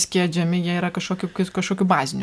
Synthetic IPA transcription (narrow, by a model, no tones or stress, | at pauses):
sʲkʲiɛd͡ʒʲɛmʲɪjiɛiːɾɐkɐʃkoːkʲukʲɪkɐʃkoːkʲubɑːzʲɪnʲ